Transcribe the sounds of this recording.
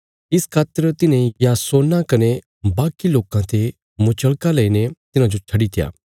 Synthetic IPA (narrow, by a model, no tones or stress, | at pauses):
ɪskʰaːt̪əɾt̪ɪnejaːsoːnakɐne | baːkiloːkãt̪e | mʊt͡ʃəɭkalɐinet̪ɪnãd͡ʒot͡ʃʰɐɽit̪ɪja̰ː